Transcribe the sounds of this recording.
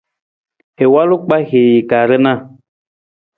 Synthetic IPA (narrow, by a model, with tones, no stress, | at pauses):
e˨wa˦lo˦k͡pa˦ɣe˨ji˨ka˨ɾe˦nã˦˨